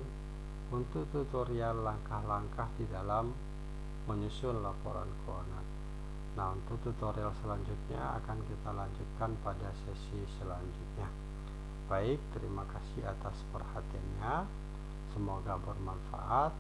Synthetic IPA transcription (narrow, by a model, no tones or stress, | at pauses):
unt̪ukt̪ut̪oɾialːaŋkahlaŋkahdidalamː | əɲusʊnlapo̰ɾa̰nkʰonanː | aunt̪ʊkt̪ut̪oɾialsəlaɲd͡ʒut̪̚ɲa̰a̰kankit̪alaɲd͡ʒut̪̚kanpadasɛsisəlaɲd͡ʒut̪̚ɲa | b̥aɪk̚t̪əɾimakasɪat̪aspərhat̪ianɲa | səmoɡabərmanfa̰ʔat̪̚